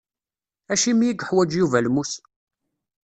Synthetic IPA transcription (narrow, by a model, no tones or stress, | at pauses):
æʃimijiɡħwæd͡ʒjuvælmus